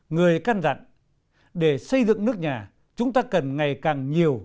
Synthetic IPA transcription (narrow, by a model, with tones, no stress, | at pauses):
ŋɨ˨˩əjkaː˧nza̰˧˨ŋ | ɗe˧˩sə˧jzɨ̰˧˨ŋnɨ˦˥ək̚ɲaː˨˩ | t͡ɕʊ˨˦ŋ͡mt̪aː˧kə˨˩nŋa˨˩jkaː˨˩ŋɲi˨˩əw